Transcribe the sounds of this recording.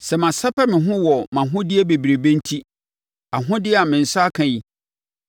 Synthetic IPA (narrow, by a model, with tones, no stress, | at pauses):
sɛ˨mã˨sa˦pʰɛ˦mɪ̃˨ɦʊ̃˦wɔ˨mã˨ɦʊ̃˦dɪ˦ɛ˦be˨bi˨ɾe˨bẽ˦n˦tʰi˦ | a˨ɦʊ̃˦dɪ˦ɛ˦a˨mɪ̃˨n̩˨sa˦kʰã˨ji˦